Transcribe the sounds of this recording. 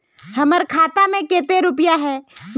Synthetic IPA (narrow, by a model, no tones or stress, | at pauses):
hɐməɾkʰaːt̪amẽkeːt̪eɾʊpəjaɦɛːm